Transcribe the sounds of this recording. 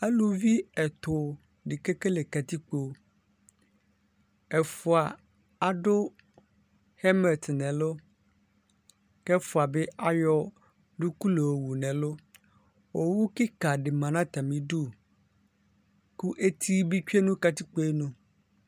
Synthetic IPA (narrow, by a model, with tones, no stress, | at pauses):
e˦lu˨vi˦ɛ˨t̪ʊ˨ | ɖi˨ke˦ke˦le˨ka˨t̪i˦k͡po˨ | ɛ˨fu˨a˨ | a˨ɖo˦ | hɛ˦mɛ˨t̪nɛ̃˨lo˦ | kɛ˦fu˨a˨be˦ʔa˦jɔ˦ | ɖu˦ku˦lo˨wo˨wu˨nɛ̃˨lo˦ | wo˨wu˦ki˦ka˨ɖe˨mã˨nã˦t̪a˨mĩ˨ɖu˦˨ | ku˦ʔe˦t̪ʰi˦bi˦t͡ʃᶣe˦nũ˦ka˨t̪i˦k͡po˦e˦nũ˨